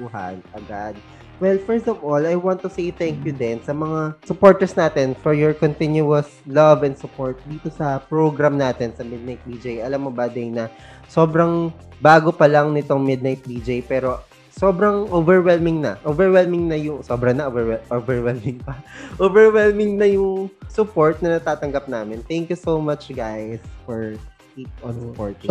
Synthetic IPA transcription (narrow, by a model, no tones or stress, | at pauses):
uɦɐ̰nʔɐɡad̪̚ | wɛlfɛɹst̪ɔfolɐjwãnt̪ːʊsejt̪ɛŋkjʊd̪ɛnsɐmɐŋasʊpoɹt̪ɛɹsnaːt̪ɛnfɔɹjɔɹkɔnt̪ɪnjʊɐs | lɐvɛ̃nd̪sʊpoɹt̪̚d̪iːt̪o̞sɐpɹoɡɾɐmnaːt̪ɛnsɐmɪd̪̚nɐjt̪̚biːd͡ʒejʔɐlamːobɐd̪ɛnɐ | so̞ːbɾɐŋ | baːɡopɐlɐŋnɪt̪oŋmɪd̪̚nɐjt̪̚biːd͡ʒejpɛːɾo̞ | sobɾɐŋʔoːvɛɹwɛlmɪŋnɐʔoːvɛɹwɛlmɪŋnɐjʊŋsoːbɾɐnɐʔovɛɛʔovɛɹwɛlmɪŋpɐʔovɛɹwɛlmɪŋnɐjʊŋsʊpoɹt̪̚nɐnɐt̪aːt̪ɐŋɡɐp̚naːmɪnt̪ɛŋkjusowmɐt͡ʃɡajsfɔɹ | kipɔ̃nsʊpoɹt̪ɪ